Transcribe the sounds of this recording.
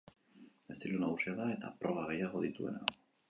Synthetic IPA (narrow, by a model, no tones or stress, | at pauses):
e̞st̪ilunaɣusiaðae̞t̪a̰pɾoβaɣ̞ejaɣo̞ðit̪ue̞̰na̰